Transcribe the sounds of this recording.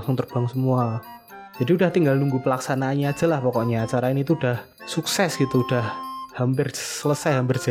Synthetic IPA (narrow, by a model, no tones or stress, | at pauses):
ŋsʊŋt̪ərb̥aŋsəmuad͡ʒ̥adiudaht̪iŋɡalnuŋɡupəlaksanaːnɲaːd̥d͡ʒ̥a̤lahpɔkɔʔɲaːt͡ʃaɾaɪnit̪uːd̥ah | suksɛsɡ̥it̪uud̥ahhampɪrsələsajɦampɪrd͡ʒa